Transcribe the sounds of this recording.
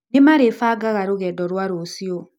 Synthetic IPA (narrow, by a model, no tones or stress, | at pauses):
nemaɾefaɡaɣaɾoɣɛdɔɾwaɾosjɔ